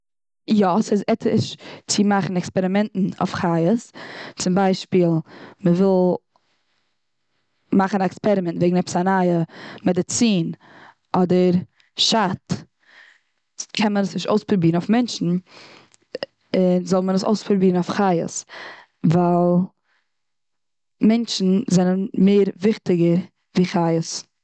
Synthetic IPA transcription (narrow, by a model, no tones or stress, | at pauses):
jɔsɪzɛtʰɪ̰ʃt͡sɪmaχn̩ɛkspɛɾɪmɛntn̩o̰fχajəst͡sɪmbaɪʃpiːlˠməvɪlˠ | maχn̩ɛkspɛɾɪmɛntveɪɡŋ̩nɛpsanaɪəmɛdɪt͡siːn | ɔdəɾ | ʃat | kʰɛnmənəsnɪʃo̰ʊspɾubiːɾnoʊfmɛnʃn̩ | ɪnzɔlˠmənəso̰ʊspɾubiːɾən̩oʊfχaɪə̰s | valˠ | mɛnt͡ʃn̩zɛnənmeɪɾvɪχtɪɡəɾ | viːχajəs